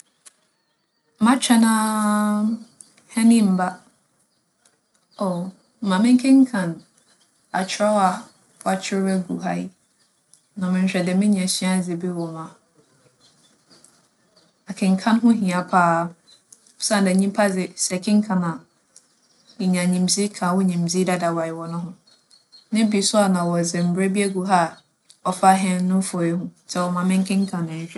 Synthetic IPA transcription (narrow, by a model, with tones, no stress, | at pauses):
mã˦t͡ɕᶣɛ˦nã˦ | hɛ˦nĩ˦m̩˨ba˦ | o˨ | mã˨mɪ̃˦ŋ˦kʰɪ̃˦ŋ̩˦kʰã˨n | a˨t͡ɕʰɾɔ˦wa˨˦ | a˨t͡ɕʰɪ˦ɛ˦ɡu˨ɦa˦i˦ | nã˨mɪ̃˨n̩˨ɕᶣɛ˨dɛ˨mɪ̃˦ɲ˨ã˨ɕĩ˦a˦d͡zɪ˨bɛ˦wɔ˨mã˨ | a˨kʰɪ̃˨ŋ̩˨kʰã˦n˦ɦʊ̃˦ɦĩ˨a˨pʰaː˦˨ | sã˦˨dɛ˨˦ɲĩ˦mpʰa˦d͡zɪ˨sɛ˨kʰɪ̃˦ŋ̩˦kʰã˨nã˨ | ɪ˨ɲã˨ɲĩ˨md͡zi˦kʰã˨wɔ˦ɲĩ˨mzi˦da˦da˨wa˨jɪ˨wɔ˨nʊ̃˦ɦʊ̃˨ | nɪ̃˦bi˨sʊ˦a˨nã˨wɔ˨d͡zɪ˨m̩˨bɾɛ˦bi˦æ˦ɡu˨ɦa˦˨ | ɔ˨fa˦ɦɛ̃˦n˦nʊ̃˦fɔ˨i˦hũ˦sɛ˨wɔ˨mã˨mɪ̃˦ŋ˦kʰɪ̃˦ŋ̩˦kʰã˨nɪ̃˨ɕᶣɛ˦